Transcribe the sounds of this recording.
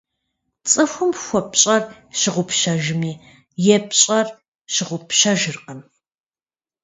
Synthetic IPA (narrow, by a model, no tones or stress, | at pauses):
t͡sʼɨxʷʊmxʷɔpɕʼɐrɕɪʁʷʊpʃɐʒɪmiː | jɛpɕʼɐr | ɕɪʁʷʊpɕɐʒɨrqəm